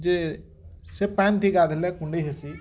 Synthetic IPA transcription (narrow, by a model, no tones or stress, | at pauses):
d͡ʒe | sepɛ̃ːnt̪ʰiɡaːd̪elekũɳɖeɦesi